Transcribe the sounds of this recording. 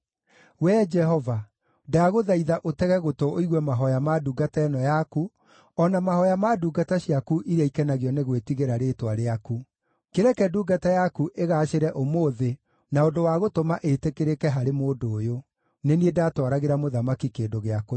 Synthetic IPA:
wɛd͡ʒɛhɔva | daɣoðaiðaʔotɛɣɛɣotooiɣwɛmaɦɔjamaduɡataɛnɔjaku | ɔnamahɔjamaːduːɡataɕijakuʔiɾɛikɛnaɣiɔneɣwetiɣeɾaɾeːtwaɾeaku | keɾɛkɛduːɡatajakuʔeɣaʃeɾɛʔomoːðe | naondowaɣotomaʔetekeɾekɛɦaɾemoːdoːjo | neniedatwaɾaɣeɾamoðamakikeːndoɣeako

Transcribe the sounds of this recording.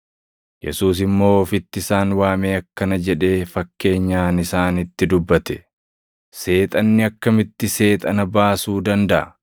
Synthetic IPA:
jɛ̰suːs̬ɪmːo̞ːfɪt̪ːɪɪsaːnwaːmeːɐkːɐnɐd͡ʒɛᶑe̞ːfɐkːe̞ːɲːaːnɪsaːnɪt̪ːɪd̪ʊbːɐt̪ɛ̥ | se̞ːt̪ʼɐnːɪɐkːɐmɪt̪ːɪse̞ːt̪ʼɐnɐbaːsuːd̪ɐnd̪ɐʔɐ

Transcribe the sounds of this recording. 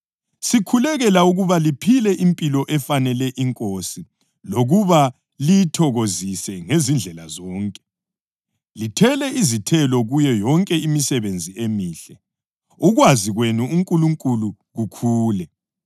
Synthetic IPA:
sikʰulɛɣɛlauɣuβalipʰilɛʔimpʼilɔʔɛfanɛlɛʔiŋkʼosi | loɣuβa | lijtʰɔɣozisɛŋezind͡ɮʱɛlazɔːŋkʼɛ̥ | litʰɛlɛizitʰɛlɔɣujɛjɔŋkʼɛimisɛβend͡zʱiemiːɬɛ | uɣwaziɣwenuuŋkʼuluŋkʼulu | ɣukʰuːlɛ

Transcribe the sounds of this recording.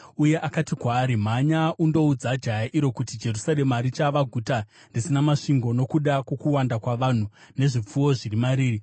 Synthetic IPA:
uje̞ʔakatikwaːɾim̤aɲaʔundo̞ud͡zad͡ʒajaʔiɾo̞kutid͡ʒe̞rusaremaɾit͡ʃaʋaɡʱuta | ndisinamaʂiŋɡo̞no̞kuɗakwo̞kuwandakwaʋan̤u | ne̞ʐip͡fuwo̞ʐirimaɾiːri

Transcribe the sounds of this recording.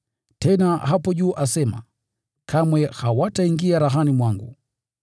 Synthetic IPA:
tɛnahapɔʄuːʔasɛma̰ | kʰamwɛhawataiŋɡiaɾaɦanimwaŋɡṵ

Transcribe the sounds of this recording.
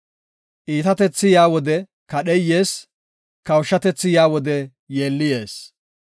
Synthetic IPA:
ʔiːt̪ɐt̪ɛt͡sːɪjaːwɔd̪ɛ | kɐɗɛjːe̞ːs | kɐwʃːɐt̪ɛt͡sːɪjaːwɔd̪ɛ | je̞ːlːɪje̞ːs

